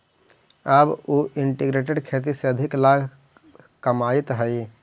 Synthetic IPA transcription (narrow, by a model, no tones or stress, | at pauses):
əboʔɪɳʈiɡɾeːʈ̬eɖkʰeːt̪̬iseəd̪ʱɪklaːɡʱ | kəmaːt̪ɦəi